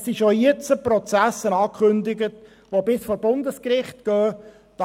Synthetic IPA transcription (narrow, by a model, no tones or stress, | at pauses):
sɪʃojɪt͡səpɾɔt͡sæsənɑːkχʏnd̪ɪɡət | ʋobɪsfoːɾbʊnd̪əskɾɪχtɡ̥œː | d̥ɑ